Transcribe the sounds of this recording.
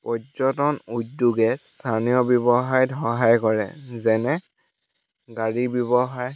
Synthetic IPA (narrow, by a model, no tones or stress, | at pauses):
pɔzɔtɔnut̚duɡɛstʰanijɔbjɔbɔxajdʱɔɦajkɔɹɛ̰zɛnɛ | ɡaɹibjɔbɔxaj